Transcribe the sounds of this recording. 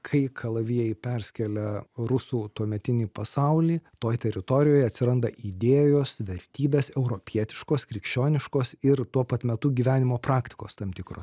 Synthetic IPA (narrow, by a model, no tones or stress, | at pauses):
kʰɐɪkʰɐlˠɐʋʲijɛɪpʲɛɾʲsʲkʲɛlʲɛɾʊsuːt̪uɔmʲɛt̪ʲɪnʲiːpɐsɐʊlʲiːt̪oːjt̪ʲɛɾʲɪt̪oːɾʲɪjoːjɐt̪ʲsʲɪɾɐnd̪ɐʔid̪ʲeːjoːsʋʲɛɾʲt̪ʲiːbʲeːsɛʊɾoːpʲiɛt̪ʲɪ̥ʃkoːskɾʲɪkʃʲt͡ʃʲoːnʲɪʃkoːsɪrt̪uɔpɐt̪ʲmʲɛt̪uːɡʲiːʋʲæːnʲɪmoːpɾɑːkt̪ʲɪ̥koːst̪ɐmt̪ʲɪkɾo̰ːs